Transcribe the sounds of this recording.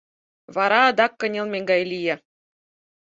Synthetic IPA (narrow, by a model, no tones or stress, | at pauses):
βɑɾɑɤd̪ɑkːɤ̆nʲelˠmʲeŋɡɑjlʲije